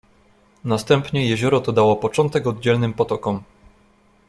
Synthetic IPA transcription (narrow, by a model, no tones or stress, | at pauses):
nast̪ɛmpɲɛjɛʑɔɾɔt̪ɔd̪awɔpɔt͡ʂɔnt̪ɛkɔd̪d͡ʑɛlnɘmpɔt̪ɔkɔm